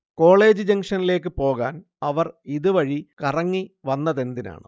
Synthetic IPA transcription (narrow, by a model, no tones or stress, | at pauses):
ko̞ːɭe̞ːd͡ʑɨd͡ʑɐŋʂɐnile̞ːk̬ːɨpo̞ːɣaːn | ɐʋɐriðɨʋɐɻikɐrɐŋːiʋɐnːɐðe̞nd̪ina̰ːɳɨ̰